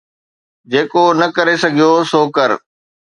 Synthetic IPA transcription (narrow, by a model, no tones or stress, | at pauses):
d͡ʑeːkonɐkɐɾesɐɡʱijosoːkɐɾ